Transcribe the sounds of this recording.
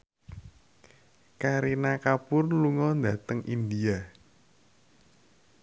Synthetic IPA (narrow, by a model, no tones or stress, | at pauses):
kaɾinakapʊrluŋɔnd̪a̤t̪əŋʔind̪ia